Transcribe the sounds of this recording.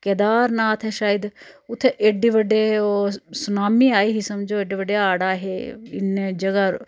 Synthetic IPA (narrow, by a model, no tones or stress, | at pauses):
kɛːd̪aːɾnaːt̪ʰɛːʃaːɪd̪ʊt̪ʰːeʔeɖiːʋəɖeːosʊnaːmiːaːiːɦisəmd͡ʒoːeːɖiːʋəɖejaːɽaːɦḛːɪ̰ned͡ʒəɡaːɾ